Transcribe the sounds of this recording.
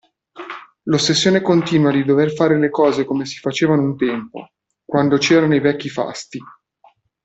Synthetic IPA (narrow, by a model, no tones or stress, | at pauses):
losːesːjoːnekont̪iːnwad̪id̪overfaːɾelekɔːzekomesi̥fat͡ʃeːvanount̪ɛmpo̰ | kwand̪ot͡ʃɛːɾanoivɛkːifa̰st̪i